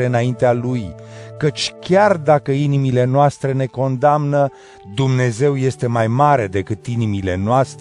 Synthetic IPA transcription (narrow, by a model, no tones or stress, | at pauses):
eɨnaint̪ealujkət͡ʃʲkʲard̪akəinimile̞noast̪ɾe̞ne̞ko̞nd̪amnə | d̪umne̞ze̞wje̞st̪e̞majmaɾe̞d̪e̞kɨt̪inimile̞noast̪